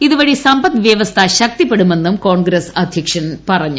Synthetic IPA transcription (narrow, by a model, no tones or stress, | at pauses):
iðuʋɐɻisɐmbɐt̪ʋjɐʋɐst̪ʰɐɕɐk̚t̪ipːeɽume̞nːumko̞ːɳɡɾɐsɐd̪ʱjɐkʂɐnpɐrɐɲːu